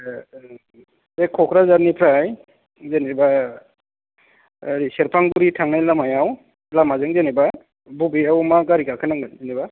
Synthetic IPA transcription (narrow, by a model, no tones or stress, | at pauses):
zekʰɔkʰɾazaɾnipʰɾaj | zeneba | ɾiseɾpʰaŋɡuɾitʰaŋnajlamajaw | lamazɯŋzeneba | bubiawmaɡaɾikakʰanaŋɡanzenɛba